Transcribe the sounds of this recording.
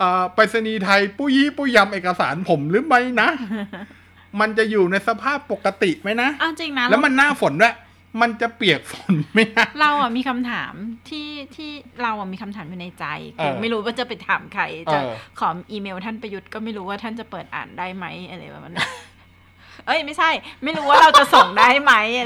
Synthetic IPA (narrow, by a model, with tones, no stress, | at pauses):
ʔəː˨˩pa˧t̚sa˧niː˧t̪ʰa˧jpuː˥˩jiː˥˩puː˥˩ja˧mʔeː˨˩ka˧saː˩˦npʰo˩˦mɾɯː˦˥ma˦˥jna˦˥ʔ | ma˧nt͡ɕa˨˩juː˨˩na˧jsa˧pʰaː˥˩pːo˨˩kːa˧t̪i˨˩ma˦˥jna˦˥ʔʔa˧˩wt͡ɕi˧ŋna˦˥lɛ˦˥ma˧nːaː˥˩fo˨˦ndaː˥˩˨ | ma˧nt͡ɕa˨˩pli˨˩ək̚fo˨˩˦nma˦˥˩jka˦˥ɾa˧wʔa˨˩miː˧kʰa˧mt̪ʰa̰ː˩˦mt̪ʰiː˥˩t̪ʰiː˥˩ɾa˧wʔa˨˩miː˧kʰa˧mt̪ʰaː˩˦mjuː˨˩na˧jt͡ɕa̰˧jkɯː˧ma˥˩jɾuː˦˥waː˥˩t͡ɕa˨˩pa˧jt̪ʰaː˩˦mkʰa˧jt͡ɕa˨˩˧kʰɔː˩˦mʔiː˧meː˧wt̪ʰa˥˩npa˧ju˦˥t̪̚kɔː˥˩ma˥˩jɾuː˦˥waː˥˩a˥˩nt͡ɕa˨˩pɤː˨˩t̪̚ʔa̰ː˨˩ndaː˥˩jma˦˥jʔa˧la˧˩wa̰˨˩ma˧n˩ | ʔɤ˧˥˩jma˥˩jt͡ɕʰa˥˩jma˥˩jɾuː˦˥waː˥˩ɾa˧wt͡ɕa˨˩so˨˩ŋdaː˥˩jma˦˥j